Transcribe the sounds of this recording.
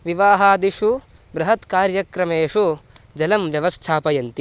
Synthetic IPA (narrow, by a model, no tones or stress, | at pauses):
ʋiʋaːɦaːd̪iʂu | bɾɐɦɐt̪kaːɾjɐkɾɐmeːʂu | d͡ʒɐlɐmʋjɐʋɐst̪ʰaːpɐjɐnt̪i